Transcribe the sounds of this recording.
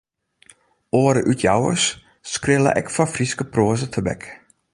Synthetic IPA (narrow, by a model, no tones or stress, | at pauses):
ʔoəɾəʔytʰjawə̰s | skrɪlə̰ʔɛ̰kfafriskəproəzətʰəbɛ̰k